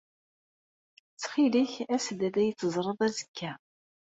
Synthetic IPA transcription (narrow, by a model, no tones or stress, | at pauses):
t͡sːχiliçæsəd̪æd̪æjət͡sːəzˤɾˤəðˤæzəkʰːæ